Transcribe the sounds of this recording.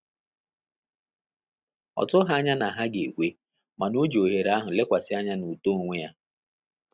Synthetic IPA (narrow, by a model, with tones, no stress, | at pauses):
ɔ̰˨tʊ˦ɦa˦a˦ɲa˦na˨ɦa˦ɡe˨kʷe˦ | ma˨no˦d͡ʒo˨ɦe˨ɾa˦ɦʊ˨le˦kʷa˨sɪ˦a˦ɲa˦nu˨to˦˨ŋʷe˦ja˦